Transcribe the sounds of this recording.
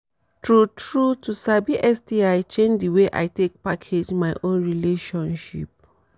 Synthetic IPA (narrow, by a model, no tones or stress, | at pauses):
tɹutɹutusabiʔɛstiaɪt͡ʃẽnd͡ʒdiweʔa̰ɪtek̚pakʰed͡ʒmaɪʔõnɹileʃɔ̃nʃḭp̚